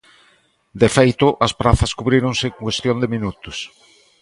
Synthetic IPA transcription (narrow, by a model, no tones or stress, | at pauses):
d̪ɪfejt̪ʊʔɐspɾaθɐskuβɾiɾoŋsɪkŋkwest̪jond̪ɪminut̪ʊs